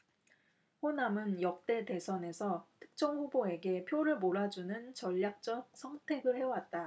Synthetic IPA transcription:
ɸonamɯnjʌk̚t͈e̞te̞sʰʌne̞sʰʌtʰɯ̥k̚t͡ɕ͈ʌŋɸuboe̞ɡe̞pʰjoɾɯɭmoɾad͡ʑunɯnt͡ɕʌʎːak̚t͡ɕ͈ʌk̚sʰʌŋtʰe̞ɡɯɭhe̞wat̚t͈a

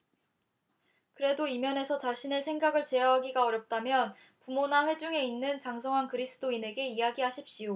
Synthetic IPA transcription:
kɯɾe̞doimjʌne̞sʰʌt͡ɕaɕʰine̞sʰe̞ŋɡaɡɯɭt͡ɕe̞aɦaɡiɡaʌɾjʌp̚t͈amjʌn | pumonaɸwe̞d͡ʑuŋe̞inːɯnt͡ɕaŋs̬ʰʌŋɦankɯɾisʰɯ̥t͈oine̞ɡe̞ijaɡiɦaɕʰip̚ɕ͈io

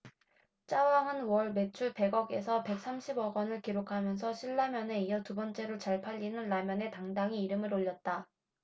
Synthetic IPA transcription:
t͡ɕ͈awaŋɯnwʌɭme̞t͡ɕʰupe̞ɡʌɡe̞sʰʌpe̞k̚s͈amɕʰibʌɡʌnɯɭkiɾokʰamjʌns̬ʰʌɕʰiɭːamjʌne̞ijʌtubʌnt͡ɕ͈e̞ɾot͡ɕaɭpʰaʎːinɯnːamjʌne̞taŋdaŋiːɾɯmɯɾoʎːʌt̚t͈a

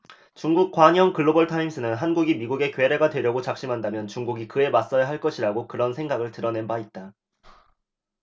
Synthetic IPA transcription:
t͡ɕuŋɡuk̚k͈waɲjʌŋkɯɭːobʌɭtʰaims͈ʰɯnɯnɦanɡuɡimiɡuɡe̞kwe̞ɾe̞ɡadwe̞ɾjʌɡot͡ɕak̚ɕ͈imɦandamjʌnt͡ɕuŋɡuɡikɯe̞mas͈ʌjaɦaɭk͈ʌɕʰiɾaɡokɯɾʌnsʰe̞ŋɡaɡɯɭtɯɾʌne̞nbait̚t͈a

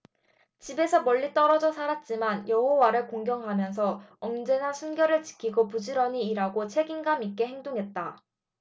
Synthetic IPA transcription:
t͡ɕibe̞sʰʌmʌʎːit͈ʌɾʌd͡ʑʌsʰaɾat̚t͡ɕ͈imanjʌhowaɾɯɭkoŋɡjʌŋɦamjʌnsʰʌʌmd͡ʑe̞nasʰunɡjʌɾɯɭt͡ɕi̥kʰiɡopud͡ʑiɾʌɲiːɾaɡot͡ɕʰe̞ɡinɡamik͈e̞ɦe̞ŋdoŋɦe̞t̚t͈a

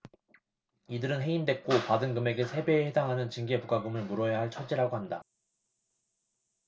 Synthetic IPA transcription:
idɯɾɯnɦe̞indwe̞k͈opadɯnɡɯme̞ɡe̞sʰe̞beːhedaŋɦanɯnt͡ɕiŋɡe̞puɡaɡɯmɯɭmuɾʌjaɦaɭt͡ɕʰʌd͡ʑiɾaɡoɦhanda

